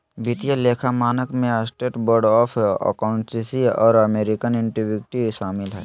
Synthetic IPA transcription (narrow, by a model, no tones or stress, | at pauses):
bɪt̪ijaleːkʰamaːnəkmẽasʈeːʈbəɾɖɔːpʰə̰kaʊ̃nsisiɔ̰ːɾəmeːɾɪkənɪ̃ɳʈiʋɪk̚ʈiʃaːmɪlɦɛː